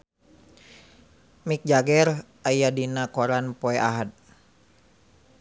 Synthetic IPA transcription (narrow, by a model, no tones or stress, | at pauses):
mik̚d͡ʒaɡɛr | ajadinakɔɾanpɔɛʔaɦad̪̚